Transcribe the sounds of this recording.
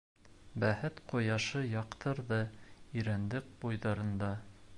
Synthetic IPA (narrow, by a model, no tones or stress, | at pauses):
bæhɘt̪qojɑʃɤjɑqt̪ʰɤɾðɤiɾænd̪ɘk̚bujðɑɾɤ̆nd̪ɑ